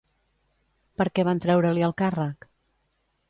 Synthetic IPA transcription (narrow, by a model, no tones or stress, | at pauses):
pəɾkɛβant̪ɾɛwɾəliəlˠkarək